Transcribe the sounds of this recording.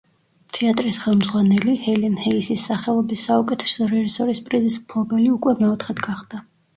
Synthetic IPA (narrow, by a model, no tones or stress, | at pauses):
t̪ʰɛat̪ʼɾisχɛlˠmd̪zʁwanɛlihɛlinhɛisisːaχɛlˠɔbisːaukʼɛt̪ʰɛ̥sɔɾɛʒisɔɾispʼɾizisu̥pʰlˠɔbɛliukʼwɛmɛɔt̪ʰχɛd̪ɡaχd̪a